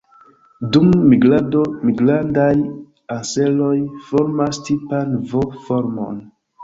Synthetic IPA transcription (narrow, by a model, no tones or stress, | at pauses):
dumːiɡɾadomiɡlandaj | anse̞lo̞jfoɾmastipanvofoɾmo̞̰n